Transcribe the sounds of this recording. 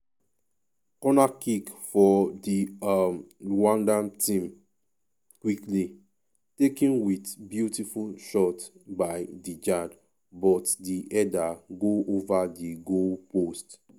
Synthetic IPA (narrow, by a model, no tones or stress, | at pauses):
kɔnakikfɔdiamwɔ̃ndamtĩm | kwikli | tekĩnwitbjutifulʃɔtbajdid͡ʒad | bɔtdiʔɛdaɡoovadiɡopost